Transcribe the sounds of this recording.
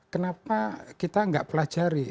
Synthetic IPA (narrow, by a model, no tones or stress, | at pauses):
kənapakit̪aŋɡaʔpəlḁʒ̥aɾi